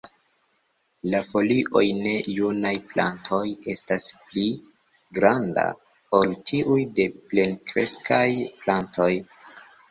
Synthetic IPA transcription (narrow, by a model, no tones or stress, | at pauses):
lafo̞liʔo̞jne̞junajplantʰo̞je̞staspli | ɡɾanda̰ | oltʰiʔujde̞ple̞nkɾe̞skʰajplantʰo̞j